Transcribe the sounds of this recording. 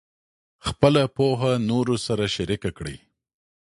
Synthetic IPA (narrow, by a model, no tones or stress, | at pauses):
xpəlapoɦanoɾosaɾaʃaɾikakɽḭ